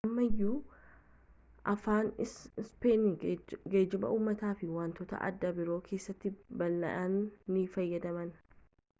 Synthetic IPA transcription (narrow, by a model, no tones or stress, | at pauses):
ʔɐmːɐɪjːuː | ʔɐfaːnspeːnɪɡe̞ːd͡ʒːɪmɐ̰ʔuːmːɐt̪aːfɪwaːnt̪ɔt̪ɐ̰ʔɐ̰d̪ːɐbɪɾo̞ːkʰe̞ːsːɐt̪ːɪbɐlːɐ̰ʔɐnːifɐjːɐd̪ɐmɐn